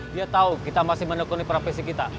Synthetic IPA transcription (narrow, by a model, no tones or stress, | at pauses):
diat̪aukit̪amasɪhmənokɔnipɾafɛsikit̪a